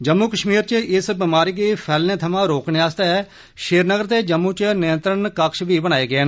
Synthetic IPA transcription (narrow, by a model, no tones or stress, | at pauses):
d͡ʒəmːuːkəʃmiːɾt͡ʃəɪsbɪmaːɾiːɡeːpʰɛːlnẽːt̪ʰəmãːɾoːkneːaːst̪ɛː | ʃeːɾnəɡəɾd̪eːd͡ʒəmːũːt͡ʃnɪjənt̪ɾəɳkəkʃʋiːbəɽ̃aːeːɡɪeːn